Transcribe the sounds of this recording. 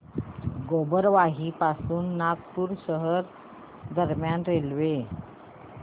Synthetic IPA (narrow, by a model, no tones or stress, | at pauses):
ɡobəɾʋaɦiːpasuːnːak̚puɾɕəɦəɾ | d̪əɾmjanɾelʋe